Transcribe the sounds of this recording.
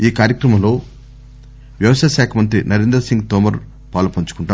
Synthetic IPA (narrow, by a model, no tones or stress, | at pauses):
iːkaːɾjɐkɾɐmɐlo̞ː | ʋjɐʋɐʃaʃaːkʰɐmɐnt̪ɾinɐɾend̪ɾɐsiŋɡt̪ɔːmɐɾ | paːlupɐɲt͡ʃu̥kuɳʈaː